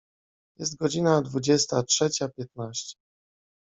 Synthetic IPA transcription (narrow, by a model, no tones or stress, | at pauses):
jɛst̪̚ɡɔd͡ʑinad̪vud͡ʑɛst̪atʂɛt͡ɕapʲjɛt̪̚naɕt͡ɕɛ̥